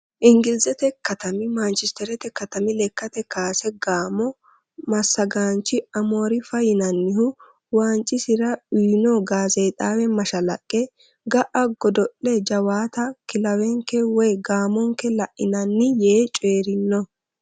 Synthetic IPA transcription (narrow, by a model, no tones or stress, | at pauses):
ʔɪŋɡɪlzɛt̪ɛkɐt̪ɐmɪmɐnt͡ʃɛst̪ɛɾɛt̪ɛkɐt̪ɐmɪlɛkːɐt̪ɛkaːsɛɡaːmɔ | mɐsːɐɡaːnt͡ʃːɪɐmo̞ːɾɪfɐjɪnɐnːɪhʊ | waːnt͡ʃʼːɪsɪɾɐiːnɔɡaːzejt̪ʼaːwɛmɐʃɐlɐkʼːɛ | ɡɐʔʔɐɡɔd̪ɔʔːɛd͡ʒɐwaːt̪ɐkɪlɐwɛŋkːɛwɔjɡaːmɔŋkːɛlɐʔɪnɐnːɪjeːt͡ʃʼeːɾɪnːɔ